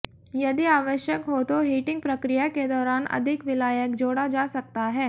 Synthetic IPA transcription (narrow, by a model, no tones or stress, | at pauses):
jɐd̪iaːʋəʃjəkɦot̪oɦiːʈɪ̃ŋɡ̚pɾɐkɾɪjaked̪ɔːɾaːnʔɐ̰d̪ʱɪkʋɪlaːjəkd͡ʒoːɽad͡ʒaːsɐk̚t̪aɦɛː